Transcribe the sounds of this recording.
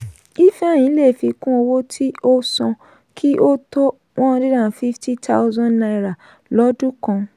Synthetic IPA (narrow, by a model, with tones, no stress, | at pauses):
i˦fɛ̃˦˨ĩ˨˦le˦˨fi˧kũ˦o˧wo˦tʰi˦o˦sɔ̃˧ | kʰi˦ʔo˦to˦ | w̃ɔ̃˦˧di˦dã˦˨fi˦ftʰi˦tʰa˦zã˦nnã˧i˧˨ɾa˨ | lɔ˨˦du˦kã˧